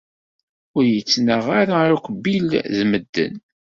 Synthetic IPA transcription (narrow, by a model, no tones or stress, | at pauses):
ʊɾjət͡sːnəʁaɾaukʷbilzməd̪ːə̰n